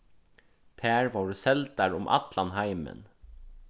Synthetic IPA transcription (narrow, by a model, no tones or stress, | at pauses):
t̪ʰæːɹʋɔːɹsɛlt̪aɹʊmʔɑ̰t̪lanɦaɪmə̰n